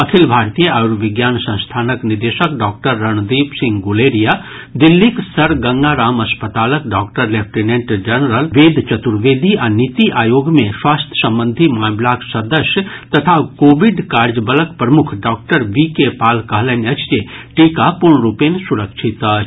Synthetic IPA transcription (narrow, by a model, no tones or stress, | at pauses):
ɐkʰilbʱaːɾt̪ijəaːɾʋɪɡjaːnsɐ̃ñst̪ʰaːnəknid̪eːʃəkɖɔːk̚ʈəɾːɐɳ̃d̪iːpsɪ̃ŋɡɡuleːɾija | d̪ɪlːiksɐɾɡɐ̃ŋɡaɾaːmɐspət̪aːləkɖaːkʈəɾlep̚ʰʈinẽɳʈd͡ʒənəɾəlʋeːd̪t͡ʃɐt̪uɾʋeːd̪ʱiʔanit̪iʔaːjoːɡmẽswaːst̪ʰjə̥sɐ̃mbə̃nd̪ʱimaːmlaksɐd̪əʃjət̪ɐt̪ʰakoːʋiɖkaːɾd͡ʒəbələkpɾɐmʊkʰɖɔːk̚ʈəɾʋikepaːlkɐɦlɛnɐt͡ʃt͡ʃeʈiːkapuɾɳɾuːpensuɾəkʃʰit̪ət͡ʃʰ